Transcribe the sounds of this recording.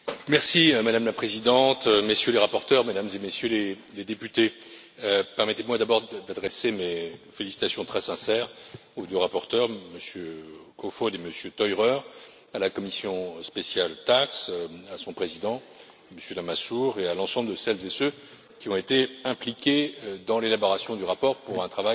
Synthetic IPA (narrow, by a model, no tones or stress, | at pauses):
mɛʁsimad̪amlapχezid̪ɑ̃t̪mesjøleʁapɔʁt̪œʁmed̪amzemesjøle | led̪epyt̪e | øpɛʁmɛt̪emwad̪abɔʁd̪ad̪ʁesemefelisit̪asjɔ̃t̪χɛsɛ̃sɛːʁud̪øʁapɔʁt̪œʁməsjøkofɔd̪eməsjøt̪ɔjʁœʁ | alakɔmisjɔ̃spesjalt̪aksasɔ̃pχezid̪ɑ̃ | məsjølamasuʁealɑ̃sɑ̃bləd̪əsɛlzesø | kʲiɔ̃et̪eɛ̃plikʲed̪ɑ̃lelabɔʁasjɔ̃d̪yʁapɔʁpuʁɛ̃t̪χavaj